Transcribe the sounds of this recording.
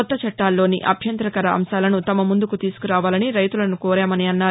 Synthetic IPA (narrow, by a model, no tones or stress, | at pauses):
ɔt̪ːɐt͡ʃɐʈːaːlːo̞ːnḭʔɐ̰bʱjɐnt̪ɾɐkɐɾɐʔɐ̰mʃaːlɐnut̪ɐmɐmund̪ukut̪iːsu̥kuɾaːʋaːlɐniɾɐjt̪ulɐnukɔːɾaːmɐniɐnːaː